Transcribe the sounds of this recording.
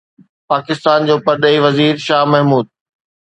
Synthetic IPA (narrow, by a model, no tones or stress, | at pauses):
paːkɪst̪aːnd͡ʑoːpɐɾɗeːiʋɐziːɾʃaːmɐɦmuːd̪̚